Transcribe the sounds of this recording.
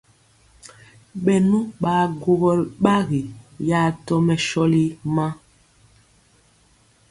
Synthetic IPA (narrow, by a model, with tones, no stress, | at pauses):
ɓɛ˨nu˦ɓaː˨ɡo˨ɣɔ˨lɓa˦ɣi˨ja˨˦tɔ˦mɛ˨ʃɔ˦li˦mã˦